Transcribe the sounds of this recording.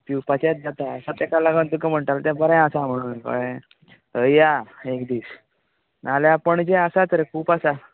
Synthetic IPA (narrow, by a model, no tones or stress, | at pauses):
piwpat͡ɕet̪̚d͡zat̪asat̪ɛkalaɡand̪ukəm̤əɳʈalt̪ɛ̃bəɾɛ̃əsam̤əɽ̃uːnkə̰ɭẽ | əjaekd̪iːs | nalapəɳd͡ʑeasat̪əɾekʰuːpasa